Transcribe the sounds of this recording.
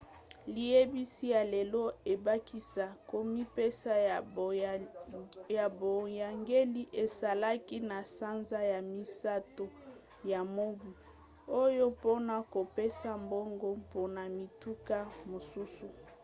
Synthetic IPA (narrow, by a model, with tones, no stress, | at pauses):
li˨je˦bi˦si˦ja˨le˨lɔ˦e˨ba˦ki˦sa˨ko˦mi˦pe˦sa˦ | ja˨bo˨ja˨ŋɡe˦li˦ʔe˨sa˨la˦ki˦na˨sa˦nza˦ja˨mi˨sa˦to˦ | ja˨mo˦ɡwi˨ | o˦jo˦po˦na˨ko˨pe˦sa˦mbo˦ŋɡo˦mpo˦na˨mi˨tu˦ka˦mo˨su˦su˨